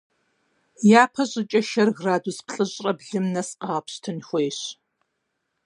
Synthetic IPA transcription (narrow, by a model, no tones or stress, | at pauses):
jaːpʰɐɕʼɪt͡ʃʼɐʃɐrɣraːduspɬʼɨɕʼrʼɐbɮɨmnɐsqɑʁɐpɕtʰɨnxʷeːɕ